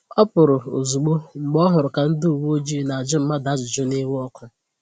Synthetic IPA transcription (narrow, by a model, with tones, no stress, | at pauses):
ɔ˦pʊ˨ɾʊ˨o̰˨zu˨ɡ͡bo˦ŋ͡m̩˨ɡ͡bɔ˦ɦʊ˨ɾʊ˨ka˨n̩˦dʊ˦u˨wo˦d͡ʒi˦na˨a˨d͡ʒɪ˦m̩˦ma˦da˨˦d͡ʒɪ˨d͡ʒʊ˦ne˦wɔ˦kʊ˦